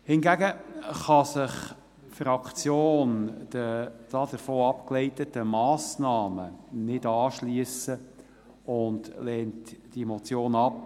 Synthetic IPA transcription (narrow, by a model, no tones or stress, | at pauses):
hɪnɡæɡəχɑsɪχ | fɾɑkt͡sjoːnd̥əd̥ɑːdəɾfoːɑpklɛɪtətəmɑːsnɑːmənɪd̥ɑːʃliəsə | ʊndlɛːntd̥imot͡sjoːnɑp̚